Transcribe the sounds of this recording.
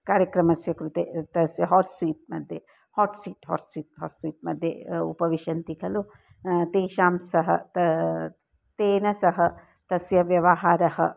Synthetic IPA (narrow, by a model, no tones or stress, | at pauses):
kaːɾjɐkɾɐmɐsjɐkɾut̪eːt̪ɐsjɐɦɔːɾsiːt̪̚mɐd̪ʱje | hɔːʈsiːʈɦɔ̰ːɾsiːt̪̚ɦɔːɾsiːt̪̚mɐd̪ʱjḛṵpɐʋiʃɐnt̪ikʰɐlo | t̪eːʃaːmsɐɦɐ̰t̪ɐ | t̪eːnɐsɐɦɐ | t̪ɐsjɐʋjɐʋɐɦaːɾɐhɐ̰